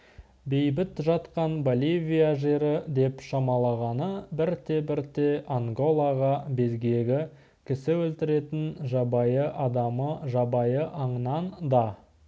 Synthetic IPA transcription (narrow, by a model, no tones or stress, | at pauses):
be̞jbɪt̪ʒɑt̪qɑnbolʲivʲijaʒe̞ɾɪd̪e̞pʃɑmɑlˠɑʁɑnəbɪɾt̪e̞bɪɾt̪e̞ʔaŋɡo̞lˠɑʁɑbe̞zɡʲe̞ɡʲɪ | kʲʰɪsɪwɵlt̪ɪɾe̞t̪ɪnʒɑbɑjəʔɑd̪ɑməʒɑbɑjəʔɑɴənɑnd̪ɑ